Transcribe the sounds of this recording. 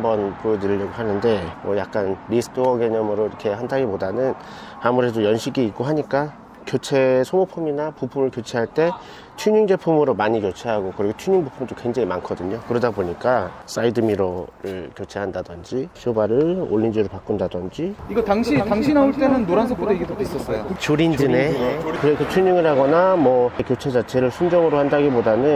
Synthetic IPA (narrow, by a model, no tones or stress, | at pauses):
ambʌnpojʌdɯʎːʌɡoɦanɯnde̞mwʌjak͈̚anɾisʰɯ̥tʰoʌɡeɲʌmɯɾoiɾikʰe̞handʰaɡipodanɯn | amuɾe̞dojʌnɕʰiɡiːk͈oɦaɲik͈a | kjot͡ɕʰe̞sʰomopʰuminapupʰumɯɭkjot͡ɕʰeɦaɭt͈e̞ | t͡ɕʰuɲuŋd͡ʑe̞pʰumɯɾomaɲikjot͡ɕʰeɦaɡokɯɾiɡot͡ɕʰuɲiuŋbupʰumdokwe̞ŋd͡ʑaŋimankʰʌdɯɲokɯɾʌdaboɲik͈as͈aidɯmiɾoɾɯɭkjot͡ɕʰeɦandadʌnd͡ʑiɕʰjobaɾɯɭo̰ɭːind͡ʑiɾɯɭpak͈ɯndadʌnd͡ʑiiɡʌtaŋɕʰitaŋɕʰinaoɭt͈e̞nɯnːoɾansʰʌpʰodoiɡidotis͈ʌs͈ʌjot͡ɕoɾind͡ʑɯnekɯɾekott͡ɕʰuɲuŋiɭɦaɡʌnamʌkjot͡ɕʰe̞d͡ʑat͡ɕʰe̞ɾɯɭsʰund͡ʑʌŋɯɾohandaɡibodanɯn